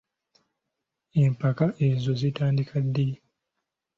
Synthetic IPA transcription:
e̞mpakaʔezo̞zitaːndikʰadːe

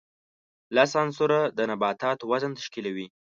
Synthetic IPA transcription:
lasɑnsʊɾad̪ənabɑt̪ɑt̪wazənt̪aʃkilawi

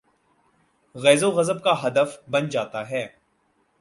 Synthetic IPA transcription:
ɣɛːzoɣɐzəb̚kaɦɐd̪əfbɐnd͡ʒaːt̪aɦɛː

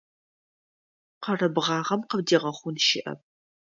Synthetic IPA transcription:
qɐrɨbʁɑːʁɐmqəbdiːʁɐχʷʊnʃɪʔɐ̰p̚

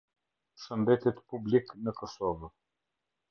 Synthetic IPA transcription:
ʃənd̪ɛt̪ɛt̪publiknəkɔsɔv

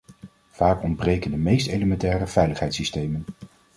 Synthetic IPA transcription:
v̥aːkɔndbrejkəndəmejstejləmɛntɛːrəv̥ɛjləχɦɛjtsistejmən

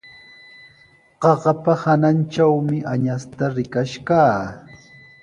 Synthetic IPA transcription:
ɢɑɢɑpahanant͡ʃawmɪʔaɲast̪aɾɪkaʃkaː

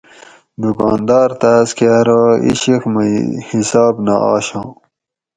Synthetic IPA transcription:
d̪ukɑːnd̪ɑːɾt̪aːskeaɾaːḭɕixmhisɑːbna̰ɑ̰ːɕɑ̃ː

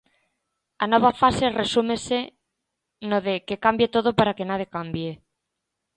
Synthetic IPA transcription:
anɔβ̞afaseresumese | noðekekambjet̪oð̞opaɾakenaðjekambje

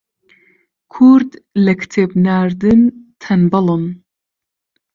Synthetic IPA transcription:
kʰuɾd̪lɛkʰɨ̥t̪ʰebnaːɾd̪ɨnt̪ʰɐnbɐlon

